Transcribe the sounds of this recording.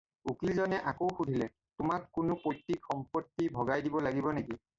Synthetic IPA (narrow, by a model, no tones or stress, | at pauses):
ukilzɔnɛʔakowxudʱilɛ | tʊmakːʊnʊpotːikxɔmpɔtːibʱɔɡajdibɔlaɡibɔneki